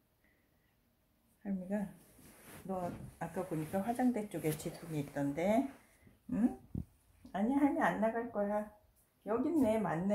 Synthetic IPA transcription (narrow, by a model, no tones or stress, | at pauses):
haɭmiɡa | nʌak͈aboɲik͈aɸwad͡ʑaŋdet͡ɕ͈oɡe̞t͡ɕitʰuɲiːt̚t͈ʌnde̞ | ɯ | aɲiɦaɭmjeanːaɡaɭk͈ʌja | jʌɡinːe̞manːe